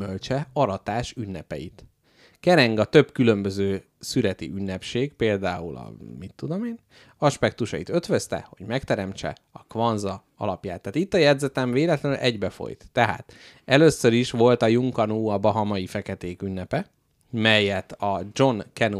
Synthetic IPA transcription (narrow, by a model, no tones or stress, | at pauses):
ølt͡ʃɛɒɾɒt̪aːʃynːɛpɛ̰jḭt̪ | kɛɾɛŋɡɒt̪ø̞bkylø̞mbøzøː | syɾɛt̪ḭʔynːɛpʃeːɡpeːld̪aːulɒ̰mit̪ːud̪o̞meːn | ɒʃpɛk̚t̪uʃɒjit̪ø̞t̪ʋøst̪ɛ̰ho̞̰ɟmɛkt̪ɛɾɛmt͡ʃɛ̰ | ɒkvɒnzɒ | ɒ̰lɒpjaːt̪ːaːt̪it̪ːɒjɛd̪zɛt̪ɛɱveːlɛt̪lɛnylʔɛɟbɛfo̰jt̪ːɛɦa̰ːt̪ | ɛløːsːøɾiʃʋo̞lt̪ɒjuŋkɒnuːɒbɒɦɒmɒjifɛkɛt̪eːkynːɛpɛ | mɛjːɛt̪ɒd͡ʒo̞nkɛnu